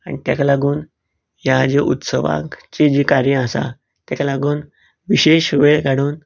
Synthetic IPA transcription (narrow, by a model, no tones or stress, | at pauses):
anʲit̪jakalaɡuːn | jad͡ʑeʔut̪səʋã̰ŋkt͡ɕed͡ʑikaɾjəasa̰ | t̪jakalaɡuːn | ʋiɕeɕʋeɭkaɽuːn